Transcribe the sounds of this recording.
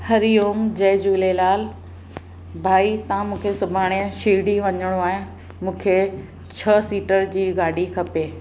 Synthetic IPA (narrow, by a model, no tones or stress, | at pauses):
hɐɾijoːmd͡ʑeːd͡ʑuːlelaːl | bʱaːit̪ãmũːkʰesʊbʱaːɽ̃eə̃ʃiːɽiʋɐɲəɽ̃oaːɦẽ | mũːkʰe | t͡ɕʰɐsiːʈəɾd͡ʑiːɡaːɖ̤ʱikʰɐpeː